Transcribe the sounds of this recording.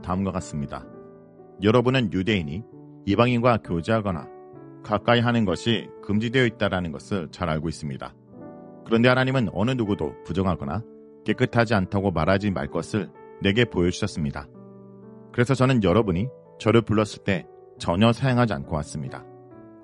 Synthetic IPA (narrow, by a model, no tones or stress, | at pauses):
taɯmɡʌk͈as͈ɯmɲida̰ | jʌɾʌbunɯnjude̞iɲi | ibaŋinɡwakjod͡ʑeɦaɡʌna̰ | kak͈aiɦanɯnɡʌɕʰikɯmd͡ʑidwe̞jʌit̚t͈aɾanɯnɡʌsʰɯɭt͡ɕaɾaɭɡois͈ɯmɲida̰ | kɯɾʌnde̞hanaɲimɯnʌnɯnuɡudo̰pud͡ʑʌŋɦaɡʌna̰ | k͈e̞k͈ɯtʰad͡ʑiantʰaɡomaɾad͡ʑima̰ɭk͈ʌsʰɯɭ | ne̞ɡe̞pojʌd͡ʑuɕʰʌs͈ɯmɲida̰ | kɯɾe̞sʰʌt͡ɕʌnɯnjʌɾʌbuɲi | t͡ɕʌɾɯɭpuɭːʌs͈ɯɭt͈e̞ | t͡ɕʌɲʌsʰajʌŋɦad͡ʑia̰nkʰok͈as͈ɯmɲida̰